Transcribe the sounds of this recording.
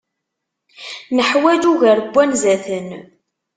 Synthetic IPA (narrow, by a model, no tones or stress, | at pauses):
nəħwæd͡ʒuʝæɾəbʷːænzæθən